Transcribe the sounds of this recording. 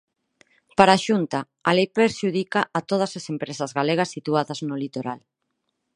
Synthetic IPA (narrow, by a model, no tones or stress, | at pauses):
paɾaʃunt̪a | alejpeɾʃuðikaʔːt̪oð̞ɐsasempɾesɐzɣaleɣ̞ɐsːit̪uaðɐznolit̪oɾa̰l